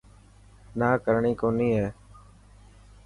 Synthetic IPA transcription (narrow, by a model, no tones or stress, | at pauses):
naːkəɾɳiːkoːnĩːɦɛː